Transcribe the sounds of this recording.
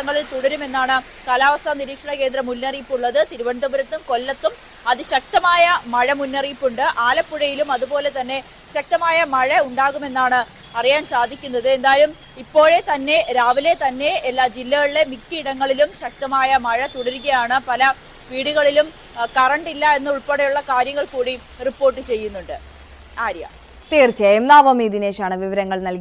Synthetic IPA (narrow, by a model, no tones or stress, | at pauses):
ɐŋːɐɭilt̪uɽɐɾume̞nːaːɳɨ | kaːlaːʋɐst̪ʰaːniɾiːkʂɐɳɐke̞ːnd̪ɾɐmunːɐriːpːuɭːɐðɨt̪iɾuʋɐɳd̪ɐbuɾɐt̪ːumko̞lːɐt̪ːum | ɐðɨɕɐk̚t̪ɐmaːjɐmɐɻɐmunːɐriːpːuɳɖɨʔaːlɐpːuɻɐjilumɐðupo̞ːle̞t̪ɐnːe̞ | ɕɐk̚t̪ɐmaːjɐmɐɻɐuɳɖaːɣume̞nːaːɳɨ | ɐrijaːnsaːd̪ʱikʲːunːɐðɨe̞nd̪aːjɐlum | ipːo̞ːɻet̪ɐnːe̞ɾaːʋile̞t̪ɐnːe̞ːlːaːd͡ʑilːɐɣɐɭiɽe̞miktːiiɽɐŋːɐɭilumɕɐk̚t̪ɐmaːjɐmɐɻɐt̪uɽɐɾuɣɐjaːɳɨpɐlɐ | ʋiːɽuɣɐɭilum | kɐrɐɳɖilːɐe̞nːɨuɭpeɽejuɭːɐkaːɾjɐŋːɐɭkuːɽi | ripːo̞ːrʈ̬ːɨt͡ɕe̞jːunːuɳɖɨ | aːɾjɐ̰ | t̪iːrt͡ɕːemnaːʋɐmiːd̪ine̞ːɕaːɳɨʋiʋɐɾɐŋːɐɭnɐlki